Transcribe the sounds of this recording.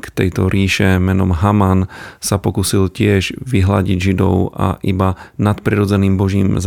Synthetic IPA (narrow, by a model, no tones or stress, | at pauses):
kt̪ɛjt̪ɔɾiːʃɛmɛnɔmɦamansapɔkusilcɪɛʒʋiɦla̰ɟiɟʒid̪ɔ̰ʊʔa̰ʔibanat̪pɾiɾɔd͡zɛniːmbɔʒiːmz